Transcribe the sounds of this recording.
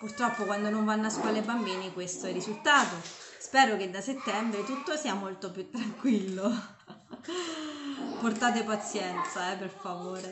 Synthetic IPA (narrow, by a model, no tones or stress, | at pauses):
purt̪ɾɔpːokwand̪onoɱvanːoaskwɔlaebambiːnikwest̪oɛrːizult̪aːt̪ospɛːɾoked̪ːaset̪ːɛmbɾet̪ut̪ːosiːamolt̪op̬jut̪ːɾaŋkwilːo | port̪aːt̪̬epat̪sjɛnt̪saɛpːerfavoːɾe